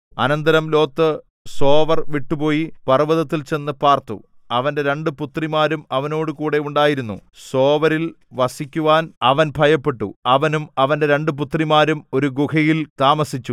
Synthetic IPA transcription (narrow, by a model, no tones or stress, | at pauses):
ɐ̰nɐnd̪ɐɾɐmlo̞ːt̪ːɨ | so̞ːʋɐrʋiʈːupo̞ːjipɐrʋɐðɐt̪ːilt͡ɕe̞nːɨpaːrt̪ṵ | ɐʋɐnde̞ɾe̞ɳɖɨput̪rimaːɾumɐʋɐno̞ːɽɨkuːɽe̞uɳɖaːjiɾunːuso̞ːʋɐɾil | ʋɐsikʲːuʋaːnɐʋɐnbʱɐjɐpːe̞ʈːṵɐʋɐnumɐʋɐnde̞ɾe̞ɳɖɨp̬ut̪rimaːɾumo̞ɾuɡukɐjilt̪aːmɐsit͡ɕːu